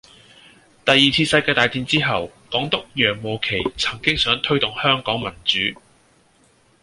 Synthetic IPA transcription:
t̪ɐ˨jːiː˨t͡sʰiː˧sɐ˧jkaː˧t̪aː˨˩jt̪iː˧nt͡siː˥ɦɐ˨˩w | kɔː˨˥ŋt̪ʊ˥k̚jœː˨˩ŋmo˨wkʰe˨˩jt͡sʰɐ̥˨˩ŋkɪ˥ŋsœː˨˥ŋt̪ʰɵ˥ɥt̪ʊ˨ŋhœː˥ŋkɔː˨˥ŋmɐ˨˩nt͡syː˨˥

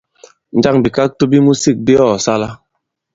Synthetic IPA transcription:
n̩˨˦d͡ʒa˦ŋbi˨ka˦k̚to˦bi˦mu˦si˦˨k̚bi˦ɔ˦˨sa˦la˦

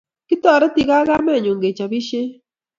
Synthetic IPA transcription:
ki˦ta˨ɾe˦ti˨ɣa˦ɣaː˦meː˦˨ɲuː˨ŋɡe˨t͡ʃa˨βi˦ʃe˦

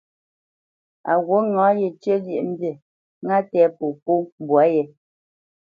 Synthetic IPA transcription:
a̰˨ɣwo˨˦ŋɔ˨˦je˨t͡ʃə˦dji˦ʔm̩˦bje˨ | ŋa˦tɛː˨˦po˨po˦bwa˨˦jɛ˨

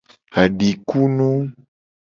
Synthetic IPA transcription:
a˨ɖi˨ku˦nũ˦

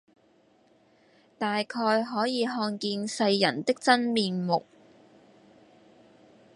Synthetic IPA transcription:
t̪aː˨jkʰɔː˧jɦɔː˨˥jiː˨˧ɦɔː˧nkiː˧nsɐ˧jːɐ̰˨˩nt̪ɪ˥k̚t͡sɐ˥nmiː˨˧nmʊ˨k̚

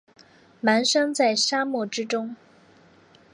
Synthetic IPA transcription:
ma˧˥nʂɤ˥ŋt͡sa˥˩ɪʂa˥mɔ˥˩ʈ͡ʂɻ̩˥ʈ͡ʂʊ˥ŋ

